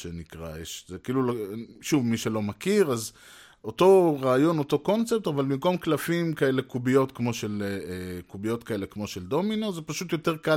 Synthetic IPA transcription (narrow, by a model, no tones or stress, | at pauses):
ʃenikʁa̰jeʃzekiːluloʃuvmiʃelo̞makiʁaz | o̞to̞ʁaːjo̞no̞to̞kont͡sep̚tavalbimko̞mklafimkaelekubijo̞tkmo̞ʃelekubijo̞t̪kaelekmo̞ʃeld̪o̞minozepaʃutjo̞te̞ʁka